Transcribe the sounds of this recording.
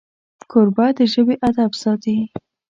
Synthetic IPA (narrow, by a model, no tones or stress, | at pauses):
kʰʊɾbad̪əʒəbeʔad̪absɑt̪i